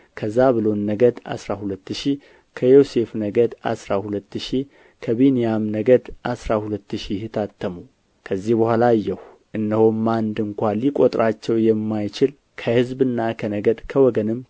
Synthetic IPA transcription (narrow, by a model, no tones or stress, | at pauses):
kʰəzːaβɨlo̞nːəɡəd̪a̰sɾahulət̪ːɨʃi | kʰəjo̞se̞fnəɡəd̪a̰sɾahulət̪ːɨʃi | kʰəβinijamnəɡəd̪ʔasɾahulət̪ːɨʃiht̪ʰat̪ʰːəmu | kʰəzːihbəhʷalajːɛh | ʔɨnːəhomːand̪ɨŋkʷalikʼot̪ʼɾat͡ʃːɛwjɛmːajt͡ʃɪl | kʰəhɨzbɨnːakʰənəɡəd̪kʰəwɔɡənɨm